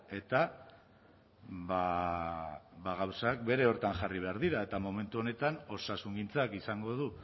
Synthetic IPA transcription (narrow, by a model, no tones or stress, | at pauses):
e̞t̪a | βa | βaɣ̞awsak̚be̞ɾe̞o̞ɾt̪aŋʝariβe̞aɾðiɾae̞t̪amo̞mẽ̞nt̪uo̞ne̞t̪ano̞sasuŋɡint͡sakisaŋɡo̞ð̞u